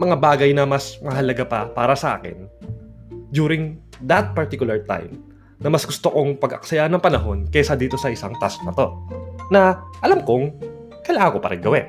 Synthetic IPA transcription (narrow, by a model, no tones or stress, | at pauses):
mɐŋabaːɡɐjnɐmɐsmɐɦɐlɐɡapɐpaːɾɐsɐʔa̰ːkɛ̰n | d̪juːɾɪŋ | d̪ɐt̪̚pɐɹt̪ikʊlɐɹt̪a̰jm | nɐmɐsɡʊst̪okoŋpɐɡɐ̰ksɐjaʔnɐŋpɐnɐɦo̞nkɛsad̪iːt̪o̞sɐʔɪsaŋt̪asmɐt̪o̞nɐʔɐlamkoŋ | kɐlaːŋɐŋkopɐ̰ɾɪŋɡɐwɛ